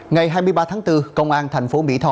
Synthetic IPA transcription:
ŋa˨˩jɦaː˧jmɨ˧əjɓaː˧t̪ʰaː˨˦ŋt̪ɨ˧kə˧wŋ͡mʔaː˧nt̪ʰɛ˨˩ŋ̟fo˨˦mḭ˧˥t̪ʰɔ˧

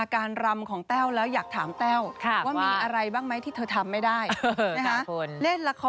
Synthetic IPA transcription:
a˧kaː˧nɾa˧mkʰɔː˩˦ŋt̪ɛː˥˩wlɛː˦˥wjaː˨˩k̚t̪ʰaː˩˦mt̪ɛː˥˩wkʰwaː˥˩iː˧ʔa˧ɾa˧jbaː˥˩ŋma˦˥jt̪ʰiː˥˩t̪ʰɤː˧t̪ʰa˧mːa˥˩jdaː˥˩jm˦˥a˧a˦˥ku˧nle˥˩nla˧kʰɔ˦

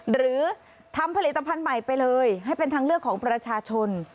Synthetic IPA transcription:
ɾɯː˩˦ | t̪ʰa˧mpʰa˧li˨˩t̪ːa˧pʰa˧nma˨˩jpa˧jlɤː˧jɦa˥˩jpe˧nt̪ʰaː˧ŋɾɯ˥˩əkʰːɔː˩˦ŋpɾa˧t͡ɕʰaː˧t͡ɕʰo˧n

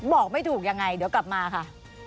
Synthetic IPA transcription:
bɔː˨˩k̚ma˥˩jt̪ʰuː˨˩k̚ja˧ŋːa˧jdɯ˨˦kla˨˩p̚maː˧kʰa˥˩

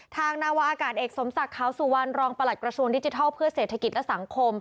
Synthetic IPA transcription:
t̪ʰaː˧ŋnaː˥˩wa˦˥ʔaː˧kaː˨˩t̪̚ʔeː˨˩k̚so˩˦msa˨˩kʰːaː˨˩˦wsu˨˩˦wa˧nɾɔː˧ŋpa˧la˨˩t̪̚kɾa˧su˧əŋdi˦˥t͡ɕi˧t̪ʰɔː˥˩pʰɯ˥˩ɐseː˨˩t̪ʰːa˧ki˨˩t̪̚lɛ˦˥sa˨˩˦ŋkʰo˧m

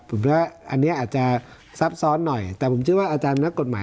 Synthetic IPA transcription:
pʰo˩˦mwaː˥˩ʔa˧nːi˦˥ɐʔaː˨˩t̪̚t͡ɕa˨˩ | sa˦˥p̚sɔː˦˥nːɔ˨˩jt̪ɛː˨˩pʰo˩˦mt͡ɕʰɯ˥˩əwaː˥˩ʔaː˧t͡ɕaː˧n˧na˦˥kːo˨˩t̪̚maː˨˦

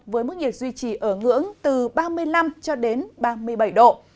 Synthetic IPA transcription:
vəː˨˦jmo˦˥t̚ŋi˨˩ət̚zwi˧t͡ɕi˧˩ʔəː˧˩ŋɨ̰˧˥əŋt̪ɨ˨˩ɓaː˧mɨ˧əjla˧mt͡ɕɔ˧ɗe˨˦nɓaː˧mɨ˧əjɓa˧˩jɗo̰˧˨

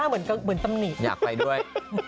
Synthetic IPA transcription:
aː˥˩mɯ˩˦ənka˧mɯ˩˦ənt̪a˧mni˨˩t̪ja̰ː˨˩k̚pa˧jdu˥˩əj

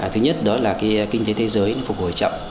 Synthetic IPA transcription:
t̪ʰɨ˨˦ɲə˦˥t̚ɗɔ˨˦laː˨˩kaː˨˦jki˧ŋ̟t̪e˨˦t̪ʰe˨˦zəː˨˦jnɔ˨˦fʊ˨˩k͡p̚ho˨˩jt͡ɕɔ̰˧˨wŋ͡mʔ

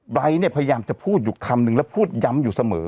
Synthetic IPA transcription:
bɾa˧jniː˥˩pʰa˧ja˧jaː˧mt͡ɕa˨˩pʰuː˥˩t̪̚juː˨˩kʰa˧mnɯ˧ŋlɛ˦˥˩wpʰuː˥˩t̪̚ja˦˥mjuː˨˩sa˧mɤ̰ː˩˦

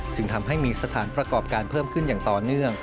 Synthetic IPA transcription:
t͡ɕɯ˧ŋt̪ʰa˧mɦa˥˩jmiː˧sa˧t̪ʰaː˩˦npɾa˧kɔː˨˩p̚kaː˧npʰɤː˥˩mkʰɯ˥˩njaː˨˩ŋt̪ɔː˨˩nɯ˥˩əŋ

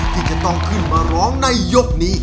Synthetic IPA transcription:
t̪ʰiː˧˩t͡ɕa˧˩t̪ɔ˧˩ŋkʰɯ˧˥˩nmaː˧ɾɔː˦˥ŋna˧jːo˦˥k̚niː˦˥

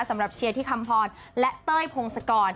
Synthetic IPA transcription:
sa˩˦mɾa˨˩p̚t͡ɕʰi˧t̪ʰiː˥˩kʰa˧mpʰɔː˧n | lɛ˦˥ʔt̪ɤː˥˩jpʰo˧ŋsa˧kɔː˧n

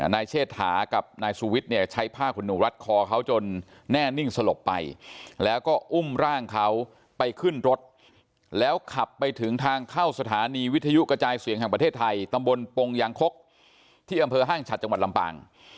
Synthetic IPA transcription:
naː˧jt͡ɕʰeː˥˩t̪̚haː˩˦ka˨˩p̚naː˧jsuː˧wi˦˥t̪̚ni˥˩ɐt͡ɕʰa˦˥jpʰaː˥˩kʰːu˧nːuː˨˩ɾa˦˥t̪̚kʰɔː˧kʰa˦˥wt͡ɕo˧nː | ɛː˥˩ni˥˩ŋsa˧lo˨˩pːa˧jlɛː˦˥wkɔː˥˩ʔu˥˩mɾaː˥˩ŋkʰa˦˥w | pa˧jkʰɯ˥˩nɾo˦˥t̪̚ | lɛː˦˥wkʰa˨˩pːa˧jt̪ʰɯ˩˦ŋt̪ʰaː˧ŋkʰa˥˩wsa˧t̪ʰaː˩˦niː˧wi˦˥t̪ʰːa˧ju˦˥ʔkɾa˧t͡ɕaː˧jsi˨˩˦ŋɦɛ˨˩pɾt̪ʰeː˥˩t̪ʰːa˧jt̪a˧mbo˧npo˧ŋja˩˦ŋkʰo˦˥k̚ | t̪ʰiː˥˩ʔa˧mpʰɤː˧ɦaː˥˩ŋt͡ɕʰa˨˩t̪̚t͡ɕa˧ŋwa˨˩t̪̚la˧mpa̰ː˧˩ŋ

